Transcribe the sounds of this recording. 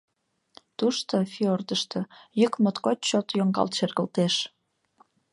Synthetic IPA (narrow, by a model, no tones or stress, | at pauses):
t̪uʃt̪ofiord̪əʃt̪ɤ̆jykmot̪kot͡ɕt͡ɕot̪joŋɡɑ̰lt̪ʃerɣəlt̪eʃ